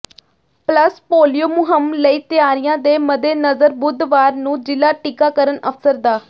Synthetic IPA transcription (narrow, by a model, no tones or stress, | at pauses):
pləspoːlijoːmʊɦəmləiːt̪ɪjaːɾɪjãːd̪eːməd̪eːnəzəɾbʊd̪ʋaːɾnũːd͡ʒɪlaːʈɪkaːkəɾənəfsəɾd̪aː